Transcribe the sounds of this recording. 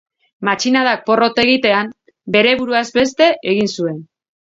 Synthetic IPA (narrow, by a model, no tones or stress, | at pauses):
mat͡ʃinaðak̚po̞ro̞t̪e̞ɣ̞it̪e̞am | be̞ɾe̞βuɾuazbe̞s̬t̪e̞ʔeɣinsue̞n